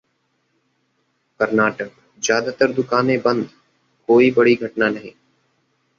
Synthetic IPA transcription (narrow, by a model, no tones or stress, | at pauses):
kəɾnaːʈək̚ | zjaːd̪at̪əɾd̪ʊkaːnebə̃nd̪ | koːibəɽiɡʱəʈnanəɦĩː